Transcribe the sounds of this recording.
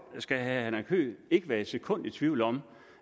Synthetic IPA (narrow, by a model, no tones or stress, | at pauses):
sɡ̥æhæhænækʰø̰ːe̝ɡ̥əʋæːɐe̥sekʰɔ̽n̰d̥it͡sʰʋiʊ̰l̩ɒ̽m